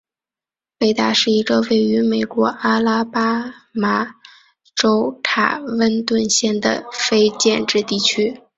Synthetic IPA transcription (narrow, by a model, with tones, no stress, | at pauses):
pe˥˧ɪt̪a˥˧ʂɻ̩˥˩i˧˥ɡə˧we˥˩ɪy˧˥me˨˩ɪkwɔ˧˥ʔa˥la˥pa˥ma˧˩ | ʈ͡ʂo˥ʊt̪ʰa̰˨˩wə˥nt̪wə˥˧nɕjɛ˥˩nd̪ə̰˩fe˥ɪt͡ɕjɛ˥˧nʈ͡ʂɻ̩˥˧t̪i˥˩t͡ɕʰy˥